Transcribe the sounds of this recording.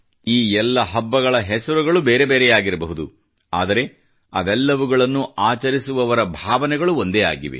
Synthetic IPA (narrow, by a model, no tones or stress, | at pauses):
iːɛlːɐɦɐbːɐɡɐɭɐɦɛsɐɾuɡɐɭubeːɾe̞beːɾɛjaːɡiɾɐbɐɦud̪ṵ | a̰ːd̪ɐɾe̞ | ɐʋɛlːɐʋuɡɐɭɐnːuʔaːt͡ʃɐɾisuʋɐʋɐɾɐbʱaːʋɐnɛɡɐɭuo̞nd̪ea̰ːɡiʋḛ